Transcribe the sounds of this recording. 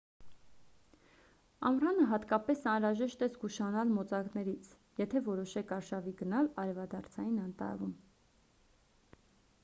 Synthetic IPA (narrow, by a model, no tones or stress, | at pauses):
ɑmrɑnəɦɑt̪kɑpɛsɑnɾɑʒɛʃt̪ɛzɡuʃɑnɑlmɔt͡sɑknɛɾit͡sʰ | jɛt̪ʰɛvɔɾɔʃɛkʰɑɾʃɑviɡənɑlɑɾɛvɑd̪ɑɾt͡sʰɑjinɑnt̪ɑ̰vum